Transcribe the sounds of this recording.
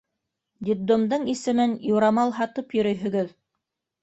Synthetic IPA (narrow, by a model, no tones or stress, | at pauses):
d̪ʲib̪̚d̪omd̪ɤɴisɘ̆mɘnjuɾɑmɑlˠɦɑt̪ɤpjɵ̆ɾɵjɦɵ̆ɡɵð